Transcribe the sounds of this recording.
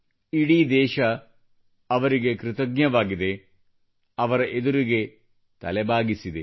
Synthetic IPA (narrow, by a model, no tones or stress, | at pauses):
iɽid̪ɛːʃɐ | ɐʋɐɾiɡekɾɨt̪ɐɡɲɐʋaːɡid̪e̞ | ɐʋɐɾɐʔed̪uɾiɡe̞ | t̪ɐlebʱaːɡisid̪e